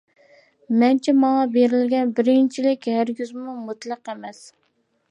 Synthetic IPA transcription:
mɛnt͡ʃʰɛmɑŋɑbeɾɪlɡʲɛnbɪɾɪnt͡ʃʰilɪkʲhæɾɡʲyzmumut̪lˠɑqemɛs

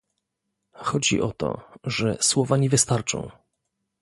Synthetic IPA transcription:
xɔd͡ʑḭʔɔt̪ɔ̰ʐɛswɔvaɲɛvɘst̪aɾt͡ʂɔ̰̃w̃

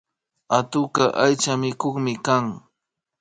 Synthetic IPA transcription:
at̪ʊkaʔajt͡ʃamɪkoχmɪkaŋ

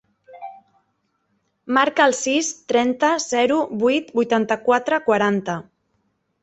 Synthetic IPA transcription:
maɾkəːlˠsist̪ɾɛnt̪əzɛɾuβujt̪bujt̪ant̪əkwat̪ɾəkwaɾant̪ə

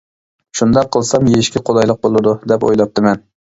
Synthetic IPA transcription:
ʃund̪ɑqʰːəlˠsɑmjeʃkʲɪqʰolˠɑjlˠəq̚bolˠɨd̪ud̪ɛpo̰jlˠɑp̚t̪ʰɨmɛn

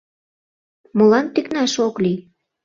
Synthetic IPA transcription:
molɑnt̪iknɑʃokli

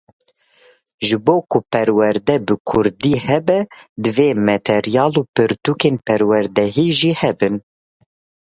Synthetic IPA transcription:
ʒɨboːkʊpɛɾwɛɾd̪ɛbɨkʰʊɾd̪iːhɛbɛd̪ɨveːmɛt̪ʰɛɾijɑːluːpɨɾt̪uːkeːnpɛɾwɛɾd̪ɛɦiːʒiːhɛbɨn

